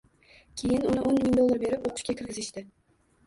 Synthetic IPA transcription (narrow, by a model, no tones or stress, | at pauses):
kʲʰejɪnʊnɪʔonmɪŋd̪olˠːɑɾbe̞ɾɪpoqʰʊ̥ʃkʲakʲʰɪɾɡʲɪzɪʃt̪ɪ